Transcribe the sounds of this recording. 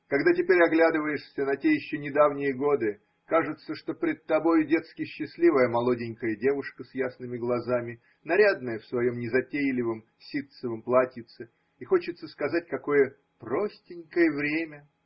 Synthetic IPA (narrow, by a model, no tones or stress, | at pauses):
kɐɡd̪atʲɪpʲeɾʲɐɡlʲad̪ɨvəjɪʂsʲənɐtʲejɪɕːonʲɪd̪avnʲɪjəɡo̞d̪ɨ | kaʐɨt̪səʂt̪o̞pʲɾʲɪd̪̚t̪ːɐbo̞jʊdʲe̞t̪skʲɪɕːɪsʲlʲivəjəmɐlˠo̞dʲɪnʲkəjədʲe̞vʊʂkəsjasnɨmʲɪɡlˠɐzamʲɪ | nɐɾʲad̪nəjəfsvɐjo̞mnʲɪzɐtʲejlʲɪvɨm | sʲit̪səvɨmplˠatʲit̪sə | ixo̞t͡ɕɪt̪səskɐzat̚ʲkɐko̞jə | prosʲtʲɪnʲkəjəvɾʲemʲə